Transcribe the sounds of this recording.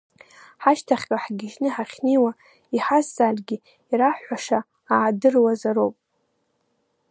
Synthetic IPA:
ħaʃtʰaχʲkʼaħɡʲɪʒnɨħaχʲniwa | iħazːalɡʲɪ | iɾaħʷaʂaː | dɨrwazaɾowpʼ

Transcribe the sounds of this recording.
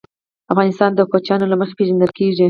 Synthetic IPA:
afɣɑnɪst̪ɑnd̪əkot͡ʃjɑnolaməxe̥peʒand̪əlkeʐi

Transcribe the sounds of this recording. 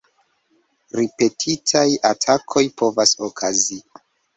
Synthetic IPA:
ɾipe̞tʰitʰajatʰakʰo̞jpʰo̞vasokʰazi

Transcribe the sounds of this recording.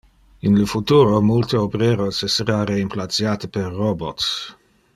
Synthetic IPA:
inləfut̪uːɾomult̪eobɾeːɾoseseɾaɾeimplat̪sjat̪əperːobot̪s

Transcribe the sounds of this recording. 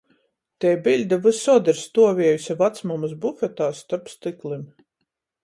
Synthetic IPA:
t̪ɛjbʲilʲd̪avɨsɔɔd̪ɛɾst̪uɔvʲiɛjusʲavat̪smɔmɨsbufʲɛt̪aːst̪aɾpst̪ɨklˠim

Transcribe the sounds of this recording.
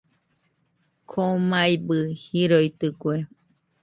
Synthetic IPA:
kʰomajbɨhiɾoit̪ɨkwe

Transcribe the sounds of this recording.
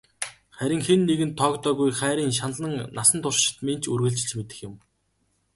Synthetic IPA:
χæɾʲɪ̆ŋxenːeɣɘ̆nt̪ʰːɔːkt̪œːɣujχæːɾʲiːŋʃ̬anɮə̆ŋnasə̆nt̪ʰʊʃʃɪ̥̆t̪men̥t͡ɕʰurɣɘ̆ɬt͡ɕɪ̆t͡ɕmet̪ɘ̆xjɪ̆m

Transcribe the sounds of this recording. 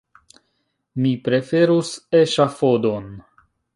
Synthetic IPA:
mipɾe̞fe̞ɾuseʃafod̪o̞n

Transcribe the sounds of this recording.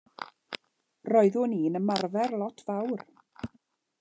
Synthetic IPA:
rɔɨðʊniːnəmarvɛrlˠɔtʰv̥awr

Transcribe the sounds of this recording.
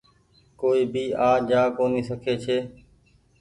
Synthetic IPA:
koːiːbiːaːd͡ʒaːkoːniːsəkʰeːt͡ʃʰeː

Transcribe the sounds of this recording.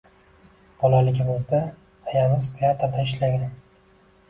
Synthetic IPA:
b̥ɒlalɪɡʲɪmɪzd̪a | ajamɪzt̪ʰeat̪ɾd̪aɪʃlaɡ̪ʲɪm

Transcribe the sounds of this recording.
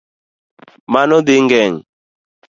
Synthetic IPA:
manɔd̪ɪŋɡɛŋ

